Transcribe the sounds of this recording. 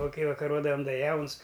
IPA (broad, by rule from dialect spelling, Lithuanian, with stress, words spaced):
ˈʋɐ ˈkɐɪ ʋɐkɐˈroːdɐm ˈdɐ ˈjɛʊns